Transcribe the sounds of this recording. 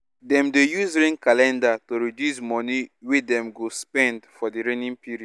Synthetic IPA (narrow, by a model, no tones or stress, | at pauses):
dɛ̃mdejusɾẽnkalɛ̃ndatoɾidjusmɔniwedɛ̃mɡospɛ̃ndfɔdiɾenĩŋpiɾi̥